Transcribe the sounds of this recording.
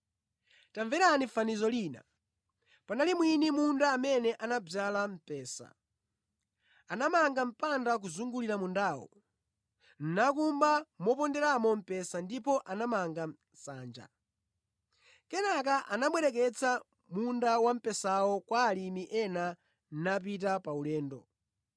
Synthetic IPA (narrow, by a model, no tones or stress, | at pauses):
taɱvɛɾanifanizɔliːna̰ | panalimwinimundaːmɛnɛʔanab͡ʐalam̩pɛːsa̰ | anamaŋɡam̩pandak̬uzuŋɡuliɾamundaːwɔ̰ | n̩nakumbamɔpɔndɛɾamɔm̩pɛsandipɔʔanamaŋɡa | saːnd͡ʒa̰ | kɛnakaʔanaɓwɛɾɛk̬ɛt͡sʰa | mundawam̩pɛsawɔkwaːlimiʔɛna | n̩nap̬itapaulɛːndɔ